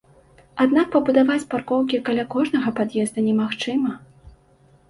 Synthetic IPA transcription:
ad̪nak̚pɐbud̪avat͡sʲparkɔwkʲikalʲakɔʐnɐɣɐpad̪jɛzd̪ɐnʲɛmaxt͡ʂɨmɐ

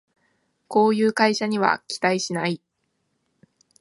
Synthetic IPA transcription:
ko̞ːjɯ̟ːkaiɕaɲ̟iβa̰kʲi̥t̪aiɕinai

